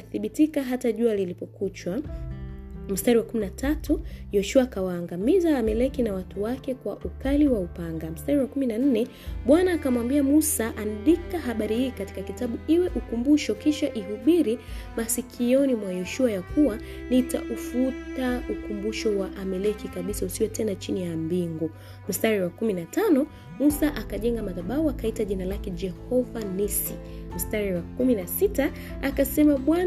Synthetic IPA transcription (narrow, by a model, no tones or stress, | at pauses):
aθiɓitikaɦataʄualilipɔkut͡ʃwa | m̩staɾiwakuminatatujɔʃuaːkawaːŋɡamizaːmɛlɛkinawatuwakɛkwaʔukaliwaupaŋɡam̩staɾiwakuminan̩nɛ | ɓwanaːkamwambiamusaʔanɗikaɦaɓaɾihiːkati̥kakitaɓuiwɛʔukumbuʃɔkiʃaʔiɦuɓiɾimasikʰijɔnimwajɛʃuajakuwa | nita̰ʔufutaukumbuʃɔwaʔamɛlɛkikaɓisausiwɛtɛnat͡ʃinijambiŋɡɔ | m̩staɾiwakuminatanɔ | musaʔakaʄɛŋɡamaðaɓaɔakaitaʄinalakɛd͡ʒɛhɔvanisim̩staɾiwakuminasita | akasɛmaɓwan